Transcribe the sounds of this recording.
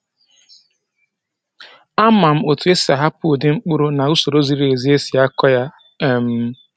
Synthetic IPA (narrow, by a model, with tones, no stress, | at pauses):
a˦ma˨m̩˦o˨tu˨e˦si˨a˨ɦa˦pʊ˦˨dɪ˦ŋ͡m̩˦k͡pʊ˦ɾʊ˦na˨u˦so˨ɾo˦zi˨ɾi˨e˨zi˦e˦si˨a˦kɔ˦ja˦˨ | m̩˦